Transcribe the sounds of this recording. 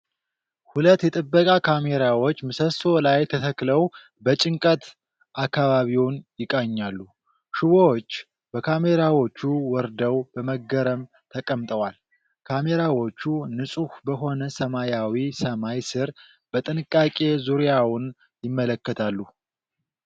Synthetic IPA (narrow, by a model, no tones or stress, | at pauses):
hulət̪ːjɛt̪ʼɨbːəkʼakʰame̞ɾawot͡ʃːmɨsəso̞lajt̪ʰət̪ʰəkləw | bət͡ʃʼɪŋkʼət̪ | ʔakːaβaβiwʊnjɪkʼaɲːalːu | ʃɪβoot͡ʃː | b̥əkʰame̞ɾawo̞t͡ʃːuwɔɾd̪əwb̥əməɡːəɾəm | t̪ʰəkʼəmt̪ʼəwal | kʰame̞ɾawo̞t͡ʃːunɨsʼuhbəɦo̞nəsəmajawisəmajsɨɾ | b̥ət̪ʼɨnɨkʼːakʼe̞zuɾjawʊn | jɪmːələkːət̪ʰalːu